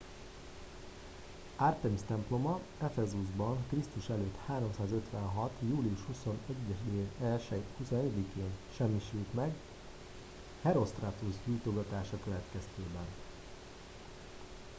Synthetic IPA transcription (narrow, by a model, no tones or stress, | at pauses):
art̪ɛmst̪ɛmplo̞mɒ | ɛfɛzuzbɒŋkrist̪uʃɛløːt̪haːɾo̞msaːzø̞t̪ʋɛnɦɒt̪juːliuʃhuso̞nɛɟːɛʃd̪eːɛlʃɛhusonɛɟɛd̪ikeːnʃɛmːiʃylt̪mɛɡ | hɛɾo̞st̪rat̪uzɟult̪oɡɒt̪aːʃɒkøvɛt̪kɛst̪eːbɛn